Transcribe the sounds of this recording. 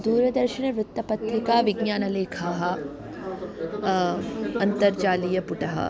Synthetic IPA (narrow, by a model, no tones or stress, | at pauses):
d̪uːɾɐd̪ɐɾʃiɳɐʋɾut̪ːɐpɐt̪ɾikaːʋiɡɲaːnɐleːkʰaːɦɐ | ɐnt̪ɐɾd͡ʒaːlijɐpuʈɐɦɐ̰